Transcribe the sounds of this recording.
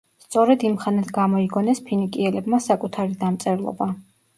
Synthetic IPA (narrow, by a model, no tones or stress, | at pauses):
st̪sʼɔɾɛd̪imχanat̪ʰɡamɔiɡɔnɛspʰinikʼiɛlɛbmasakʼut̪ʰaɾid̪amt̪sʼɛɾlˠɔ̰ba